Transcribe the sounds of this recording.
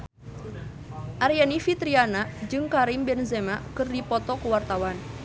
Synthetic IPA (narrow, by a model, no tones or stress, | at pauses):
ʔaɾijanifit̪ɾianad͡ʒɨŋkaɾimbɛnzɛmakɨrdipɔt̪ɔkəwart̪awan